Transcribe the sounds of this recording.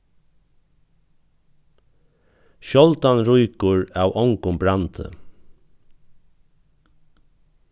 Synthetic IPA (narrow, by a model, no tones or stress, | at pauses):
ʃɔlt̪anɹʊjkʊɹawʔɔŋkʊmbɾant̪ə̰